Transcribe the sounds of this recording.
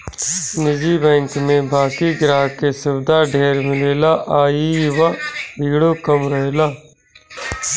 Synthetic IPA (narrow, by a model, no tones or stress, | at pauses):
nɪd͡ʒibɛ̃ːŋkmẽbaːkiɡɾaːɦkesɪbd̪aɖʱeːɾmɪleːlaʔaːiʋabʱɪːɡɽokɐmɾəɦelaː